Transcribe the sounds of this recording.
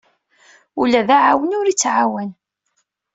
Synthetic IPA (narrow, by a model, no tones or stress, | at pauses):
ulæðaʕawənʊɾit͡sːʕawæn